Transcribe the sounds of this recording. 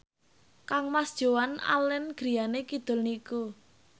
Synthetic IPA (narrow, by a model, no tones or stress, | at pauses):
kaŋmasd̥ʒ̥o̤wana̰lɪnɡ̥ɾi̤janekid̪̥ʊ̤lniku